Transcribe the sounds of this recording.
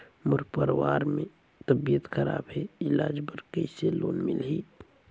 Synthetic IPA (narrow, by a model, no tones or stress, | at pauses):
mʊɾpəɾwaːɾmẽ | t̪əbijət̪xəɾa̰ːbɦɛɪlaːd͡ʒbəɾkəiselo̰ːnmɪlɦiː